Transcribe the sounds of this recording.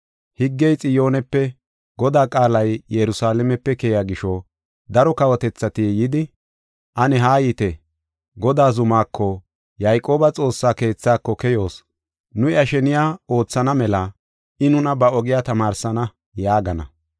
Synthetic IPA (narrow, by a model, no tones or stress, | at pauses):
hɪɡːɛjt͡sʼɪjo̞ːnɛpːɛ | ɡ̥ɔd̪aːkʼaːlɐjjɛɾʊsaːlɛmɛpːɛkɛjaɡɪʃɔ | d̪ɐɾɔkɐwɔt̪ɛt͡sːɐt̪ijɪd̪ɪ | ʔɐnɛɦaːjiːt̪ɛ | ɡɔd̪aːzʊmaːkʰːɔ | jɐjkʼo̞ːbɐt͡sʼo̞ːsːaːke̞ːt͡sːaːkːɔkɛjo̞ːs | nʊɪɐʃɛnɪjaːo̞ːt͡sːɐnɐmɛlɐ | ɪnʊnɐbɐɔɡɪjaːt̪ɐmaːɾsɐnɐ | jaːɡɐnɐ̰